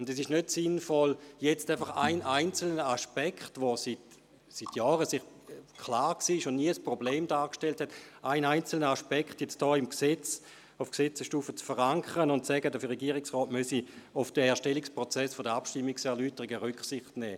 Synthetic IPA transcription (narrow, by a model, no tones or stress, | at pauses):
ʊndɛsɪʃnøtsɪnfɔljɛt͡staɪfɐχa̰ɪnaɪnt͡sl̩nəaʃpɛkχtʋosit | sitʰjɔːʁəsɪχ | kʰlaːʁksiːɪʃʊndniəəspʁobleːmdaːkʃtelthɛtʔaɪnaɪnt͡sl̩nəaʃpɛkχtjɛt͡std̥ɔːɪmkset͡s | ʊfksɛt͡səʃtuːfət͡sfəʁaŋkʰəʁənʊntsɛɡədəfəʁeɡiːʁɪksʁɔːtmøsiʊfd̥əɛːɐʃtɛlikspʁot͡sɛsfodəapʃtimːiksɛɐlyːtəʁiɡəʁʏkχsɪχtnɛː